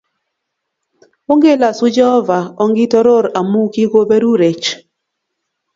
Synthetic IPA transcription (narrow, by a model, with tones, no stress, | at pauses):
o˦ŋɡe˦˨la˨sʊ˦d͡ʒɛ˦ɔ˦va˨ɔ˦ŋɡɪ˦tɔ˦ɾo˦˨ɾa˨mu˦ki˦ko˦be˦ɾu˦ɾe˨t͡ʃ